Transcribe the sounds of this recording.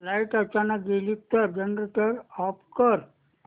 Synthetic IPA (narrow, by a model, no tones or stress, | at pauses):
lajʈət͡ʃanəkɡelik̚t̪əɾd͡ʒənɾeʈəɾɔpkəɾ